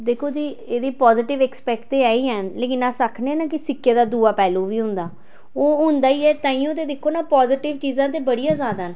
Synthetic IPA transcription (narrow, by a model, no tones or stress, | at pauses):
d̪eːkʰoːd͡ʒiːeːd̪eːpɔːzɪʈɪʋɛːkspɛːkt̪eːɛːiːɦɛnleːk̬ɪnːãːsəkʰneɛːnaːkɪsɪkːeːd̪aːd̪uːaːpɛːlũːʋiːɦʊ̃nd̪aː | oːɦʊ̃nd̪aːiːɛːt̪ãːĩːoːt̪eːd̪ɪkʰːoːnaːpɔːzɪʈɪʋt͡ʃiːzãːt̪̬eːbəɽijãːzaːd̪aːɦn